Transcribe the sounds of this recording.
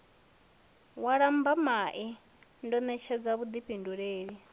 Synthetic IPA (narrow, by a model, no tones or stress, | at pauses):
waɺambamaʔi | ndɔnɛt͡ʃʰɛd͡zaβud̪ipinduɺeːɺi